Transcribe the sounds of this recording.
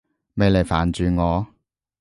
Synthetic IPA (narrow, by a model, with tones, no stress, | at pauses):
me˨jle˨˩jfaː˨˩nt͡ʃyː˨˧ŋɔː˨˧